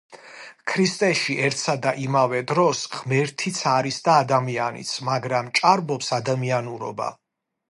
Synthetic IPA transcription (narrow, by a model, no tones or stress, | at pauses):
kʰɾist̪ʼɛʃiʔɛɾt̪ʰsad̪aʔimavɛd̪ɾɔsʁ̥mɛɾt̪ʰit̪sʰaɾisd̪aːd̪amianḭt̪sʰmaɡɾamt͡ʃʼaɾbɔpsad̪amianuɾɔ̰ba̰